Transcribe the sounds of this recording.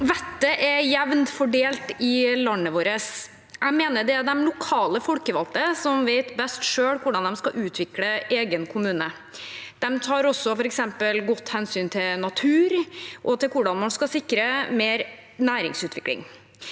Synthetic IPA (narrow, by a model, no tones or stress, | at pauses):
ʋɛt̪ːəʔɛjɛʋnt̪fɔɖeːlt̪ɪlɑnːəʋoːɾəs | jæɡmeːnəɖ̪ɛæɖ̪ɛmlʊkʰɑːləfɔlkəʋɑlt̪əsɔmʋeɪt̪bɛst̪ʂøːɽkʰʊɖɑnd̪ɛmskɑʔʉːt̪ʰʋɪkləeːɡənkʰʊmʉːnə | d̪̥ɛmt̪ʰɑːɾɔsːɔfɔɾɛksɛmpəlɡɔt̪ːhɛnsyːnt̪ʰɪlnɑt̪ʰʉːɾʔɔt̪ʰɪlkʊɖɑnmɑnskɑsɪkːɾəmeːɾ | næːɾɪ̰ŋsʉːt̪ʋɪklɪ̰ŋ